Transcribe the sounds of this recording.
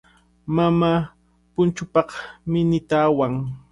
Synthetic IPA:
mama | pʊnt͡ʃʊpɑqmɪnɪt̪aːwaŋ

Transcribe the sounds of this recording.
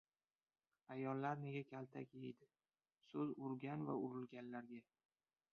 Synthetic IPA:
ajɒlˠːaɾne̞ɡʲakʲʰalt̪ʰa̰kʲejd̪ɪ | sɵzʊɾɡʲanva̰ʊɾɪlɡʲanlaɾɡʲa

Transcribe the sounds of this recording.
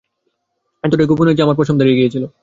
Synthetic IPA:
ɛnt̪oʈeɡubuned͡ʑeamaɾpɾot͡ɕʰomd̪ʱaɾijeɡijet͡ɕʰilo

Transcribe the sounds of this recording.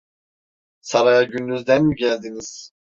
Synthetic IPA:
saɾajaɟynd̪yzd̪ɛnmyɟælʲd̪iniz̥

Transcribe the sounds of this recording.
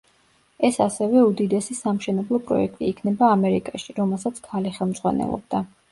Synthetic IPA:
ɛsasɛvɛud̪id̪ɛsisamʃɛnɛblˠɔpʼɾɔ̰ɛk̚ʰt̪ʼiːkʰnɛbaːmɛɾikʼaʃiɾɔmɛlˠsat̪sʰkʰaliχɛlˠmzʁwa̰nɛ̰lˠɔ̰b̚d̪̥a

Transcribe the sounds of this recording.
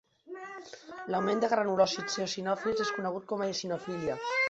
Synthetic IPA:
lawmend̪əɣɾanulɔsit͡seosinɔfilzeskunəɣ̞ut̪̚kɔmaesinofiliə

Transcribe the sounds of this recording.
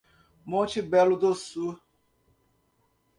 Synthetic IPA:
mõnt͡ʃɪbɛlʊd̪osu

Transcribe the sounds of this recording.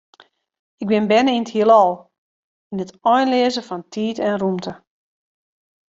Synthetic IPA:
ɪk̚bɪnbɛnəinəthiəlˠɔlˠ | inətɔjnlɪəzəfɔntʰiːtɛnrumtə

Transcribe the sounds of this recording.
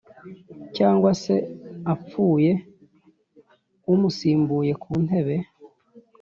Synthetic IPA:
caːŋɡwase̞ap͡fuːje̞ | umusiːmbuːje̞kʰuːn̥he̞βe̞

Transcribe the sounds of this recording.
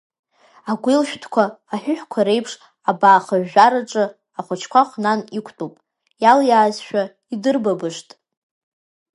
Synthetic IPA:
aɡʷɪlʃᶣtʰkʷʰaː | ħʷᶣʊħkʷʰaɾe̞jpʰʂ | abaːχaʕaɾaʈ͡ʂʼɨ | aχʷʊt͡ʃʰkʷʰaχʷnanikʷʰtʼupʼ | jaljaːzʃᶣa | idɨrbabɨʂtʼ

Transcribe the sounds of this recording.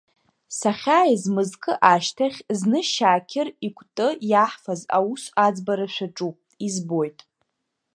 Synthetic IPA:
saχʲaːizmɨzkʰʼɨʔaʃtʰaχʲznɨʃaːkʲʰɪrikʷʰʼtʼɨjaħfaza̰usad͡zbaɾaʃʷᶣaʈ͡ʂʼu | izbojtʼ

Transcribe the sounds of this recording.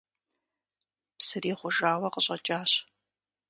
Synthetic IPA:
psɨriːχʷʊʒaːwɐqəɕʼɐt͡ʃʼaːɕ

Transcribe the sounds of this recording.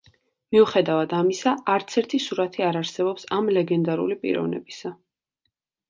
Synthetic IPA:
miuχɛd̪avad̪amisaːɾt̪sʰɛɾt̪ʰisuɾat̪ʰiaɾaɾsɛbɔpsamlɛɡɛnd̪aɾṵlipʼḭɾɔ̰vnɛ̰bisa

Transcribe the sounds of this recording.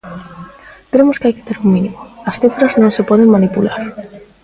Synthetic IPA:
kɾemʊskɪajkɪ̥t̪eɾuŋminimʊɐsθifɾɐznõŋsepɔðeŋmanipulaɾ

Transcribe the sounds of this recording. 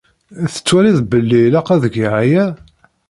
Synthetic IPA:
θə̥t͡sːwæɾiðbəlːilæqæðəɡiʕajæ

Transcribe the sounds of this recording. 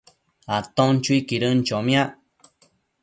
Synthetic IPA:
at̪õnt͡ʃuikiɾənt͡ʃomj̃ãʔ

